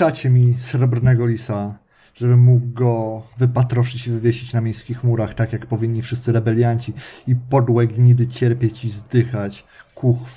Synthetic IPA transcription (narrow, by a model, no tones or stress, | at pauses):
at͡ɕɛmʲisɾɛbɾnɛɡɔlʲisa | ʐ̥ɛbɘːuɡɡɔvɘpat̪ɾɔʂɘt͡ɕivɘvʲjeɕit͡ɕnamʲejskʲixmuɾaxt̪akʲjakpɔvʲiɲʲɲifʂɘst̪sɘɾɛbɛlʲjaɲt͡ɕiipɔd̪wɛɡɲid̪ɘt͡ɕɛɾpʲjet͡ɕizd̪ɘxat͡ɕ | kuxf